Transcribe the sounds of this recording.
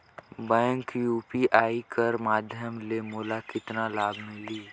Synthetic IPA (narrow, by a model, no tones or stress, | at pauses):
bɛ̃ːŋkjuːpiʔaːikəɾmaːd̪ʱjəmlemoːlakɪt̪nalaːbʱmɪ̃liː